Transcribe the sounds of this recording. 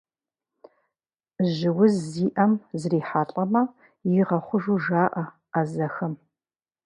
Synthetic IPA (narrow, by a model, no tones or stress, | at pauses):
ʒɪwʊzːiːʔɐmzriːħaːɬʼɐmɐ | jiʁɐχʷʊʒuʒaːʔɐ | azɐxɐm